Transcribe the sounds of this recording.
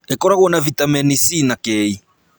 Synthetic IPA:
ɛkɔɾaɣwɔnavit̪amɛnisinakɛi

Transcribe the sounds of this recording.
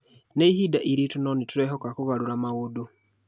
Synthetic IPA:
neihidaʔiɾitunɔnituɾɛɦɔkakuɣaɾuɾamaɣodo

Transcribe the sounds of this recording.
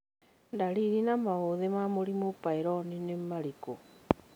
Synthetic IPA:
ndaɾiɾinamaoðemamoɾimopaiɾɔninemaɾiko

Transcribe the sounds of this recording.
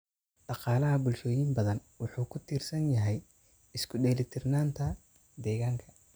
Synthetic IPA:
ɖɑqɑːlɐɦɐbʊlʃɔːjimbɐðɐnwʊħuːkʰʊt̪ʰiːrsɐnjɐɦɛj | ɪskʰʊɖɛːlɪt̪ʰɪrnaːnt̪ʰɐ | d̪ɛːɣaːŋkʰɐ̥

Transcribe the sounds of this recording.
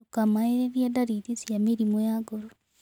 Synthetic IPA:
okamaeɾeβjadaɾiðisjamiɾimojaɡoɾo

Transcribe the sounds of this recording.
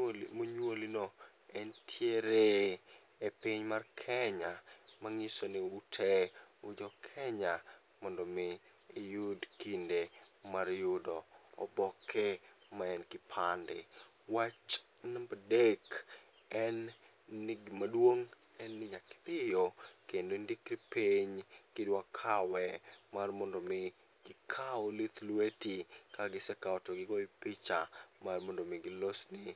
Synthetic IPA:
moɲwolino | ɛntʰjeɾe | epɪɲmarkʰɛɲamaŋɪsonɪutʰɛʊd͡ʒɔkʰɛɲa | mɔndɔmɪː | judkindemaɾjʊdo̰ːbɔkʰɛ | maɛnkɪpʰandɪ̰ | wat͡ʃ | nabadek | ɛnː | ɪɡɪmadwoŋ | ɛnːɪɲakɪ̥t̪ɪjokendondikɾipeɲkɪdwakʰawɛmarmɔndomɪ | ɡ̥ɪkʰaolit̪lwetikaɡɪsɛkawtoɡɪɡɔipit͡ʃamarmɔndomɪɡɪlosnɪ

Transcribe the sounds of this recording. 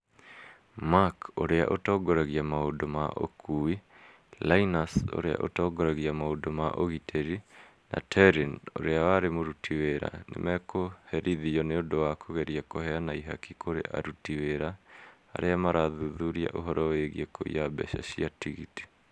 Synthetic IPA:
makoɾea̰ʔotɔːɡɔɾɛɣiamaodoma̰ʔo̰kʰui | lainaso̰ɾea̰ʔo̰tɔɡɔɾɛɣiamaodomaʔoɣitʰɛɾi | na̰tʰɛɾino̰ɾeawaɾemoɾutʰiweɾa̰nḛmɛkohɛɾʔiðijɔneondowakʰoɣɛɾiakohɛanaiɦa̰kikʰoɾḛʔa̰ɾutiweɾa | a̰ɾeamaɾaðuðuɾia̰ʔoɦɔɾɔweɣieko̰ḭabɛ̰ɕa̰ɕiatiɣḭti̥

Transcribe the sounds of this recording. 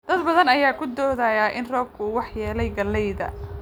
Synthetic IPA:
d̪̥ɐd̪bɐðɐnɐjaːkʰʊd̪ɔːðajaːʔɪnrɔːb̚kʰʊuːwɑħjɛːlɛjɡɐlːɛjðɐ̰

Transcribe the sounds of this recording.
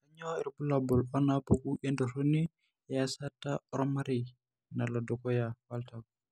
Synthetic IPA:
kaɲoɛɾpulabɔlɔnapokuʔendosoni | jasataɾɔmaɾi | nalodɔkɔjawaltak

